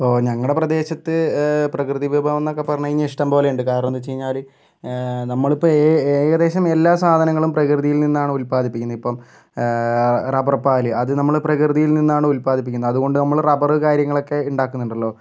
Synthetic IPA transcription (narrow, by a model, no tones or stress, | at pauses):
pːoːɲɐŋːɐɽe̞prɐd̪e̞ːɕɐt̪ːɨprɐkrɨðiʋebʱaʋɐnːokːepɐrɐɲːɐiɲːɐiʂʈɐmbo̞ːle̞juɳɖɨkaːɾɐnɐnːɨt͡ɕejiɲːaːl | nɐmːɐɭipːoːeːɣɐd̪e̞ːɕɐme̞lːaːsaːd̪ʱɐnɐŋːɐɭumprɐkrɨðijilninːaːɳɨulpaːd̪ipːikʲːunːɐipːoːm | rɐbɐrɐpːaːlɨɐðɨnɐmːɐɭprɐkrɨðijilninːaːɳɨulpaːd̪ʱip̬ːikʲːunːɐðuɣo̞ɳɖɨnɐmːɐɭrɐbɐrɨkaːɾjɐŋːɐɭo̞kːe̞uɳɖaːkːunːuɳɖɐlːo̞ː